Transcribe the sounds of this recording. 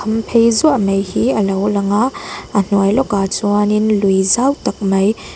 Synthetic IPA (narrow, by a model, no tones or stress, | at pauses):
ɐmpʰejzumɐjhiɐlowlɐŋaɐn̥uajlɔkat͡suaninlujzawtɐk̚mɐj